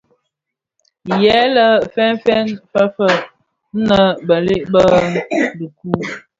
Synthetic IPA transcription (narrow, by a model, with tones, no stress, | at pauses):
jɛ˨˦lə˦fɛ˦nfɛ˦nfə˦fə˦ | nə˦bə˨le˦ʔbə˦lə˨ku˦